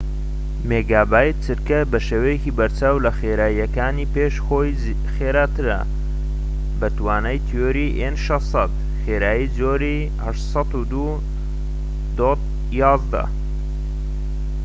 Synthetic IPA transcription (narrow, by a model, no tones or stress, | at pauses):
meːɡaːbaːjt̪ʰɨɾkɐbɐʃeːwɐjeciːbɐɾt͡ʃaːwlɐxeɾaːjɐkaːniːpeːʃxoːj | xeɾaːt̪ɨɾɐ̰ | bɐt̪waːnɐjt̪ʰjoːɾiʔenʃɑsˤɑt̪ | xeːɾaːjid͡zoːɾi | hɐʃsˤɑt̪ud̪u | d̪ot̪̚ | jɑːzd̪ɐ̰